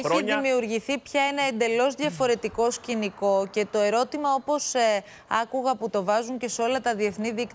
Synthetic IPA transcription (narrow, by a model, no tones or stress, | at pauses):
eçiðimiuɾʝiθipçɐeneend̪e̞lo̞zðʝɐfo̞ɾe̞t̪iko̞sciniko̞ce̞t̪o̞e̞ɾo̞t̪imɐo̞po̞se | ɐkuɣɐput̪o̞vɐzuɲce̞so̞lɐt̪ɐðie̞θniðikt̪